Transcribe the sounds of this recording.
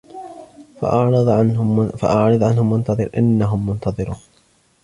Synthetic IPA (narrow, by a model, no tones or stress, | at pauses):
ʔɑʕɾðˤnfa̰ʔɑʕɾˤɨðˤʕanhʊmːʊnt̪ɑðˤɨɾʔɪ̰nːaɦʊmːʊnt̪ʰɑðˤɨɾuː